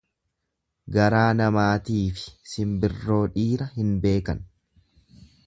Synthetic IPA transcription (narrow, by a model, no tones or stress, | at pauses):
ɡɐɾaːnɐmaːt̪iːfɪ̥sɪmbɪrːo̞ːᶑiːɾɐhɪnbe̞ːkɐn